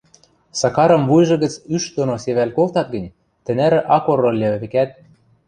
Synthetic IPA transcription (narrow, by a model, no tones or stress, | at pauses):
sɑkɑɾɤ̆mβujʒɤ̆ɣə̆t͡syʃd̪onoseβælkolt̪ɑt̪̚ɡə̆nʲ | t̪ɘ̆næɾɘ̆ʔɑkorːolʲæβɘ̆kæt̪̚